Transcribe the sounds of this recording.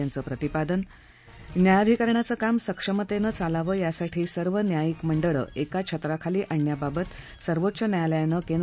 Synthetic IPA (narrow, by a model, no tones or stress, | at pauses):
ant͡səːpɾət̪ipad̪ən | njajad̪ʱikəɾɳjat͡səːkamsəkʂəmət̪enət͡salaʋəːjasaʈʰiːsəɾʋənjajikməɳɖəɭə̰ʔekat͡ɕʰət̪ɾakʰaliːʔaɳːjababət̪ | səɾʋot̪ːɕənjajljajnəkend̪